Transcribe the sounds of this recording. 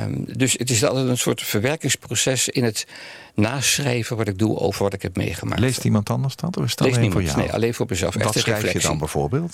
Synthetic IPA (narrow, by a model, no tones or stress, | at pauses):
dɵsətɪsɑlˠtɛtənsʊ̰ːɹtfəɹʋɛɹkɪŋsprosɛsɪnət | naːsrejvənʋɑtɪɡ̚duo̰wvəɹʋɑtɪkɦɛp̚mḛjχəma̰ːlejstimɑntɑndəɹzdɑtɔfɪsətlejsniːjnḛjʔɑ̰lejnvʊːɹməzɛ̰lˠfɛ̰χtəeɛjflɛəsdɑḭnbɛv̥o̰ːɹbeːlˠt